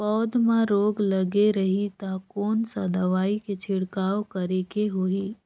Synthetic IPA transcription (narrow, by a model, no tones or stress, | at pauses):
pɔːd̪mãɾoːɡləɡeɾəɦit̪akoːnsad̪ʱɐʋaːiket͡ʃʰɪɽkaːwkəɾekeɦoiː